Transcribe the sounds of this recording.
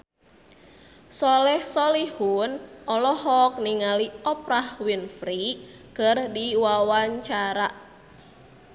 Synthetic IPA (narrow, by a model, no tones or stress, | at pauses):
sɔlɛhsɔlihunʔɔlɔhɔk̚niŋaliɔpɾahwinfɾi | kərdiwawaɲt͡ʃaɾaʔ